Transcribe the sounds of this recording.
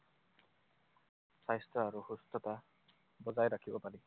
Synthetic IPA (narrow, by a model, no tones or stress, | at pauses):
sajstɔaɾuhust̪ɔt̪a | bɔzajɾakʰibɔpali